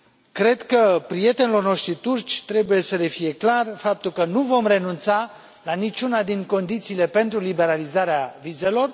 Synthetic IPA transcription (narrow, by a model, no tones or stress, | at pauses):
kɾe̞d̪kəpɾije̞t̪e̞nilo̞rno̞ʃt̪ɾit̪urt͡ʃʲt̪ɾe̞buje̞səle̞fije̞klarfap̚t̪ulkənuvo̞mre̞nunt̪sa | lanit͡ʃunad̪iŋko̞nd̪it̪siːle̞pe̞nt̪ɾulibe̞ɾalizaɾeavize̞lo̞r